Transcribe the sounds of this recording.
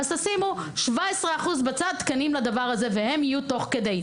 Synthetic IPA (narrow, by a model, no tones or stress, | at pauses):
azasimuʃvaesʁeaχuzbat͡sad̪̚t̪kanimlad̪avaʁhaze̞vehe̞mijut̪o̞χke̞d̪ej